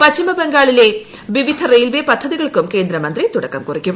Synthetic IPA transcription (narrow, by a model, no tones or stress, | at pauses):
pɐt͡ɕːimɐbeŋɡaːɭile̞ | ʋiʋid̪ʱɐrejlʋepɐd̪ʰʱːɐðiɣɐɭkumke̞ːnd̪ɾɐmɐnd̪rit̪uɽɐkːɐmkurikʲːum